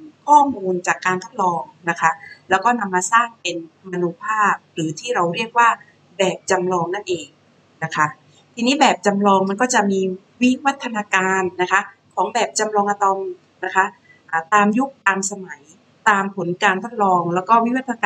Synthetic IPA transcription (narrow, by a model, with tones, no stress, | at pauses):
kʰɔː˥˩muː˧nt͡ɕaː˨˩kːaː˧nt̪ʰo˦˥t̪̚lɔː˧ŋna˦˥kʰa˦˥lɛː˦˥wkɔː˥˩na˧mːaː˧saː˥˩ŋpe˧nma˧nu˦˥pʰaː˥˩p̚ɾɯː˩˦t̪ʰiː˥˩ɾa˧wɾi˥˩ək̚waː˥˩ | bɛː˨˩p̚t͡ɕa˧mlɔː˧ŋna˥˩nʔeː˧ŋ | na˦˥kʰa˦˥ʔ | t̪ʰiː˧niː˦˥bɛː˨˩p̚t͡ɕa˧mlɔː˧ŋma˧nkɔː˥˩t͡ɕa˨˩ʔmiː˧ | wi˦˥wa˦˥t̪ʰːa˧naː˧kaː˧nːa˦˥kʰa˦˥kʰɔː˩˦ŋbɛː˨˩p̚t͡ɕa˧mlɔː˧ŋʔa˧t̪ɔ˧m | na˦˥kʰa˦˥ | ʔaː˨˩t̪aː˧mju˦˥k̚t̪aː˧msa˧ma˩˦j | t̪aː˧mpʰo˩˦nkaː˧nt̪ʰo˦˥t̪̚lɔː˧ŋlɛː˦˥wkɔː˥˩wi˦˥wa˦˥t̪ʰːa˧